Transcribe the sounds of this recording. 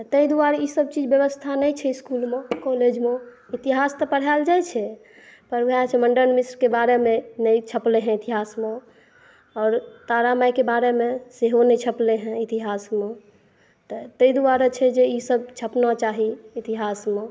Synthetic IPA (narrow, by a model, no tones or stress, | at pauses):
t̪əid̪uaɾisəb̚t͡ʃid͡ʒbjəβəst̪ʰanɛjt͡ʃʰɛiskulmekɔled͡ʒme | it̪iɦast̪ɔpəɽ̤ald͡ʒajt͡ʃʰɛ | pəɾʋat͡ʃʰɛməɳɖəɾnmisɾkebaɾemẽnɛjt͡ʃʰəpleɦɛ̃it̪iɦasme | ɔːɾt̪aɾamajkebaɾemeseɦonɛt͡ʃʰəpleɦɛ̃it̪iɦasme | t̪ɔt̪əid̪uaɾɔt͡ʃʰɛd͡ʒeisəbt͡ʃʰəpnɔt͡ʃaɦiit̪iɦasme